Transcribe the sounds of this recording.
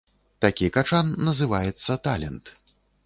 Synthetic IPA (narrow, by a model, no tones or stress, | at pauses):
t̪akʲikat͡ʂanːɐzɨvajɛt̪sːɐt̪alʲɛnt̪